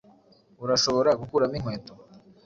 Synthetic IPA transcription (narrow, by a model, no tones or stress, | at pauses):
uɾaʃo̞βo̞ɾaɡukuɾamiŋ̥weːto